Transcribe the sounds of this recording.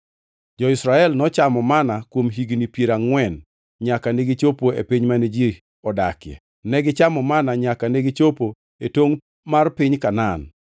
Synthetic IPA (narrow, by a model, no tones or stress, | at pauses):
d͡ʒɔɪsɾaɛlnɔt͡ʃamɔmanakwomɦiɡnipjeɾaŋwɛn | ɲakaneɡit͡ʃopoepiɲmaned͡ʒi | ɔda̰kjɛ̰ | nɛɡɪt͡ʃamɔmanaɲakaneɡit͡ʃopo | etoŋ | marpɪɲkanan